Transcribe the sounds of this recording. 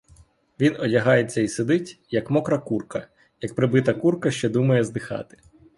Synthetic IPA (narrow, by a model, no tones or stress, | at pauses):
ʋʲinɔdʲɐɦɑjet͡sʲːɐised̪ɪtʲjɐkmɔkɾɐkurkɐ | jɐk̚pɾɪbɪt̪ɐkurkɐʃt͡ʃɛd̪umɐjɛzd̪ɪxɑ̰t̪ɪ̥